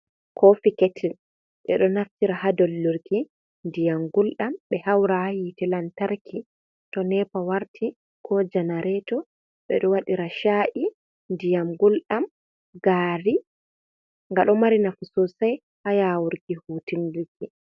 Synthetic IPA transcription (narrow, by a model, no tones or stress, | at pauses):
kʰɔfikɛtʰil | ɓɛ̰ɗɔnaftiɾahadɔlːuɾki | ndijamɡulɗamɓɛhawɾahjitɛlantaɾkʰi | tɔnɛpawaɾtʰi | kʰɔd͡ʒanaɾɛtɔ | ɓɛ̰ɗɔwaɗiɾaʃaʔi | ndijamɡulɗam | ɡaːɾi | ŋɡaɗɔmaɾinafusɔsaj | hajawuɾɡihuːtindiki